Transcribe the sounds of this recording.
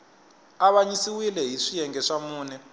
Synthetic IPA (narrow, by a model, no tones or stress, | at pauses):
aβaɲisiwilɛɦiʂijɛŋɡɛʂamuːnɛ